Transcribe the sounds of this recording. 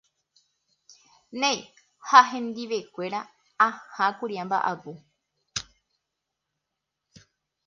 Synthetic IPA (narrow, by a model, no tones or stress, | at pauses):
nẽj | haɦẽ̞nd̪iʋe̞kʷe̞ɾa | ãhãkuɾiãmba̰ʔapu